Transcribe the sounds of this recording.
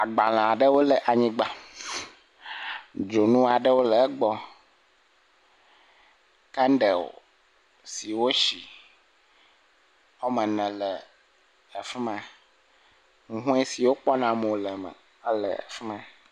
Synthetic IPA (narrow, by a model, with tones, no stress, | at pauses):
a˨ɡ͡ba˨l̃ã˨a˨ɖə˦wo˦lə˨ʔa˨ɲĩ˦ɡ͡ba˨ | d͡ʒo˨nũ˦a˨ɖə˦wo˦lə˨˦ɡ͡bɔ˦ | ka˦nɖə˨o̰˨ | si˨wo˦ʃi˨ | o˦mə̃˨nɛ̃˨lə˨ | ə˨fi˦mã˦ | ŋũ˨ɦũ˦ɛ˦si˨wo˦k͡pɔ˦nã˨mo˨lə˨mə̰˨ | ə˦lə̰˨ə̰˨fi˦mã˦